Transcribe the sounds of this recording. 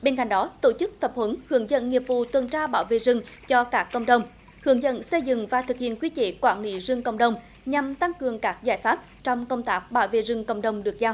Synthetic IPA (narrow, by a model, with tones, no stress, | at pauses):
ɓe˧nka̰˧˨jŋ̟ɗɔ˨˦t̪o˧˩t͡ɕɨ˦˥k̚t̪ə˨˩p̚hwə˨˦nhɨ˨˩əŋzə̰˧˨nŋi˨˩əp̚vṵ˧˨t̪wə˨˩nt͡ɕaː˧ɓaː˧˩wvḛ˧˨zɨ˧˩ŋt͡ɕɔ˧kaː˦˥kːə̰˧˨wŋ͡mɗə˨˩wŋ͡m | hɨ˨˩˦əŋzə̰˧˨nsə˧jzɨ̰˧˨ŋvaː˨˩t̪ʰɨ˨˩k̚hḭ˧˨ənkwi˧t͡ɕḛ˧˩kwaː˧˩nlḭ˧˨˦zɨ˧əŋkə̰˧˨wŋ͡mɗə˨˩wŋ͡m | ɲa˨˩mt̪a˧ŋkɨ˨˩əŋkaː˦˥k̚zaː˧˩jfaː˦˥p̚t͡ɕɔ˧wŋ͡mkə˧wŋ͡mt̪aː˦˥k̚ɓa̰ː˧˩wvḛ˧˨zɨ˧˩ŋkə̰˧˨wŋ͡mɗə˨˧wŋ͡mɗɨ˨˩ək̚zaː˧w